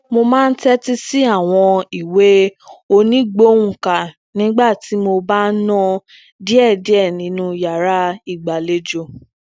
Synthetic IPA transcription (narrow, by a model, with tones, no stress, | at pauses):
mo˧mãː˦n̩˦tɛ˦ti˦si˦a˦˨w̃ɔ̃˧i˨we˨˦o˧nĩ˨˦ɡ͡bo˦wũ˦˨ka˨ | nĩ˦ɡ͡ba˦˨ti˨˦mo˧ba˦nɔ̃˦ | di˦ɛ˦˨di˨˦ɛ˦˨nĩ˨˦nũ˦ja˨ɾa˨˦i˦˨ɡ͡ba˨le˧d͡ʒo˧˨